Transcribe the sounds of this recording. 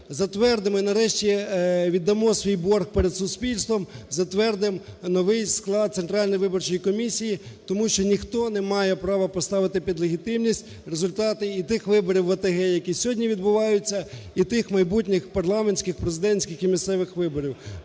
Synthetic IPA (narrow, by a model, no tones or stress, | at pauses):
zɐt̪ʋɛrd̪ɪmɔinɐɾɛʃtʲiʋʲid̪ːɐmɔsʲʋʲijbɔrxpeɾed̪sʊspʲilʲst̪ʋɔmzɐt̪ʋɛrd̪ɪmnɔʋɪjsklˠɑd̪̚t̪sent̪ɾɑlʲnɔjʋɪbɔrt͡ʃɔjikɔmʲisʲijit̪ɔmuʃt͡ʃɔnʲixt̪ɔnɛmɑjɛpɾɑʋɐpɔst̪ɑʋɪt̪ɪpʲid̪lˠeɦʲit̪ɪmnʲisʲtʲ | rezʊlʲt̪ɑt̪ɪit̪ɪxʋɪbɔɾʲiwːɐt̪eɦɛjɐkʲisʲɦɔdʲnʲiʋʲid̪̚bʊʋɑjʊt͡sʲːɐit̪ɪxmɐjbutʲnʲɪxpɐrlˠɑmenʲsʲkɪxpɾezɪd̪ɛnʲsʲkʲɪximʲissɛʋɪxʋɪbɔɾʲiw